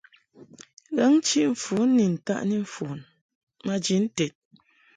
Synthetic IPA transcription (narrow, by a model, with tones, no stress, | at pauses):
ɣɛ˦ŋ˦t͡ʃi˦ʔɱ̩˨fu˨˦nː˦i˨n̩˨ta̰˦ʔni˦ɱ̩˨fu˨n | ma˦d͡ʒi˨˦n̩˦tɛ˨t̚